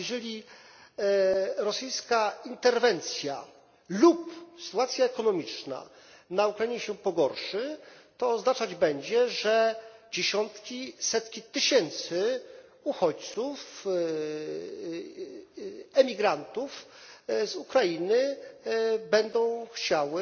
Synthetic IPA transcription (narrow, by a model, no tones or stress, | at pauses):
jɛʐɛlʲi | ɾɔsɘjskaint̪ɛɾvɛnt̪sʲja̰ | lupsɘ̥t̪uat̪sʲjaɛkɔnɔmʲit͡ʂna̰ | naukɾajiɲɛɕɛpɔɡɔɾʂɘt̪ɔːznat͡ʂad͡ʑbɛɲd͡ʑɛʐɛd͡ʑeɕɔnt̪kʲisɛt̪kʲit̪ɘɕɛnt̪sɘ | uxɔt͡ɕt̪suf | ɛmʲiɡɾant̪ufzukɾajinɘ | bɛnd̪ɔ̃w̃xt͡ɕawɘ